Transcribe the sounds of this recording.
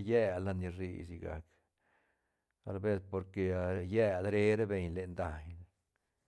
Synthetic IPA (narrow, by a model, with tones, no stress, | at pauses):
jæ˧la˧ni˧ɾḭ˧˨si˧ɡa̰˨k | a˧lbe˦spo˧ɾke˧jæ˦˧d̪ɾe˦ɾe˦be˧ɲle˨nd̪a˨ɲ